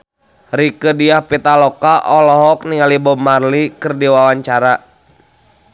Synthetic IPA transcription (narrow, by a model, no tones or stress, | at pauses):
ɾikədiahpit̪alɔkaʔɔlɔɦɔk̚niŋalibɔmarlikɨrdiwawaɲt͡ʃaɾa